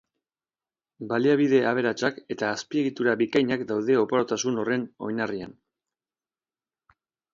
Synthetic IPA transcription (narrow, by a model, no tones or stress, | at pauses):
baliaβ̞iðe̞aβ̞e̞ɾat͡ʃake̞t̪aːspie̞ɣit̪uɾaβikajɲakd̪awðe̞o̞poɾot̪asuno̞re̞no̞̰jnaria̰n